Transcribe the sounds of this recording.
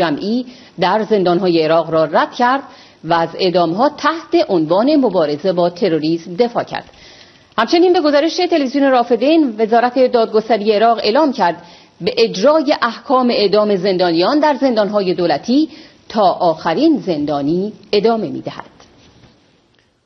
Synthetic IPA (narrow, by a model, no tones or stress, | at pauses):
d͡ʒæmʔiː | d̪æɾze̞nd̪ɒːnɦɒːje̞ːɾɒːɣɾɒːræd̪̥cʰæɾd̪ | væːze̞̰ʔd̪ɒːmɦɒːt̪ʰæht̪e̞ʔonvɒːne̞mo̞bɒːɾe̞ze̞bɒːt̪ʰe̞ɾoɾiːsmd̪e̞fɒ̰ːcʰæ̰ɾd̪̥ | hæmt͡ʃʰe̞niːnbe̞ɡo̞zɒːɾe̞ʃet̪ʰe̞levizione̞ɾɒːfe̞d̪enve̞zɒːɾæt̪ʰe̞d̪ɒːd̪̚ɡo̞st̪æɾiːje̞ːɾɒːʁe̞̰ːlɒːmcʰæɾd̪ | beʔed͡ʒɾɒːje̞ʔæhkʰɒːme̞eʔd̪ɒːme̞ze̞nd̪ɒːnijɒːnd̪æɾze̞nd̪ɒnɦɒːje̞d̪oːlæt̪ʰiː | t̪ʰɒːʔɒːxæɾiːnze̞nd̪ɒːniːe̞d̪ɒːme̞mḭːd̪æhæ̰d̪̥